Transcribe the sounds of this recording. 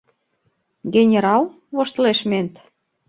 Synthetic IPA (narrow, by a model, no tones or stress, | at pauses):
ɡenʲeɾɑl | βoʃt̪leʃment̪